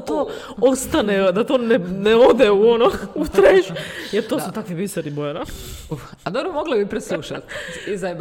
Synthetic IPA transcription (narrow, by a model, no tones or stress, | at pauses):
t̪o | ost̪aned̪at̪onenɛod̪ɛuonout̪ɾeʃjeɾt̪osut̪akʋiʋisɛɾibojeɾau | ad̪obɾomoɡlebipɾɛslˠuʃat̪izajb